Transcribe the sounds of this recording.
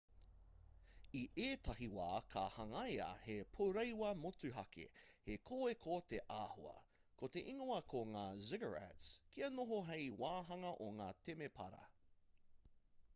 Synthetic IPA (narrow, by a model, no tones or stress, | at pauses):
iʔeːtɐhiwa̰ːkʰa̰hɐŋɐjɐ̰hepʰoɾejwɐmotʉɦɐkʰḛhekʰoːekʰot̪eʔaːhuɐ̰kʰot̪eʔiŋoɐkʰoŋaːzɪɡəɹɛ̰tskiɐnoɦoɦejwaːɦɐŋɐʔoŋaːt̪ʰemepʰɐ̰ɾɐ̰